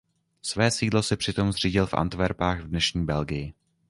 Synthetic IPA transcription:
svɛːsiːdlo̞sɛpr̝̥ɪt̪o̞mzr̝̥iːɟɪlfʔa̰nt̪vɛɾpaːɣvdnɛʃɲiːbɛlɡɪjɪ

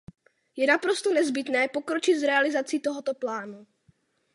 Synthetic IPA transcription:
jɛnapɾo̞st̪onɛzbɪt̪nɛːpo̞kɾot͡ʃɪt̪zɾɛalɪzat͡sit̪oɦot̪oplaːnu

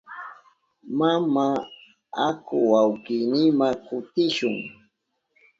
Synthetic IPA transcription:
mama | akʊwawkinɪmakʊt̪ɪʃʊŋ

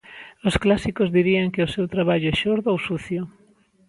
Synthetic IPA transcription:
ʊsklasikozðiɾiaŋkeʊsewt̪ɾaβaʎʊɛʃoɾðoowsuθjʊ

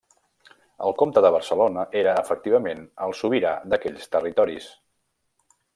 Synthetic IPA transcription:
ə̰lˠkomt̪əðəβ̞ərsəlonəʔeɾəːfək̚t̪iβ̞əmenəlˠsuβiɾa̰d̪əkɛʎst̪ərit̪ɔɾḭs

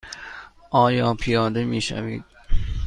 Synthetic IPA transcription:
ʔɒːjɒːpʰijɒːd̪e̞miːʃæ̰vḭːd̪̥

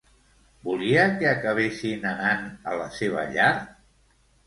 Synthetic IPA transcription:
buliəkeːkəβ̞esinənanələseβ̞ə̰ʎaɾ

